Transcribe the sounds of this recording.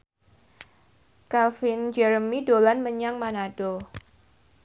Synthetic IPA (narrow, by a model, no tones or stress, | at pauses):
kalfɪnd͡ʒɛɾəmidolanməɲaŋmanad̥o